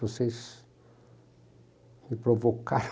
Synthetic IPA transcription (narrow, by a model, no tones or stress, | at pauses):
vosejs | mɪpɾovokaɾ